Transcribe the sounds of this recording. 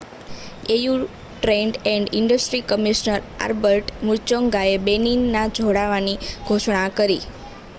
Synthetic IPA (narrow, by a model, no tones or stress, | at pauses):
eju | ʈɾɛɳɖɛ̃ɳɖɪɳɖəsʈɾikəmiʃnəɾa̰ɾbəɾʈmuɾt͡ʃɔŋɡaebeninːad͡ʒʱoɽaʋaniɡʱoʃɳãkəɾi